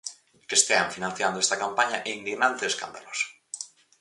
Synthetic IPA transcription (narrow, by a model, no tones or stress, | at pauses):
kest̪ea̰nfinãnθjand̪oest̪akampaɲaʔeind̪iɣnant̪eeska̰nd̪alos